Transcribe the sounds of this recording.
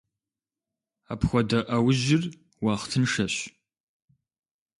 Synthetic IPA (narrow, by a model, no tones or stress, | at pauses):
aːpxʷɔdɐʔɐwʑɪr | wɑːχtʰɨnʂɐɕ